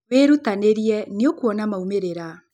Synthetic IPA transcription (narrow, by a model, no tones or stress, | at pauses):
weɾutaneɾiɛniokuɔnamaumeɾeɾa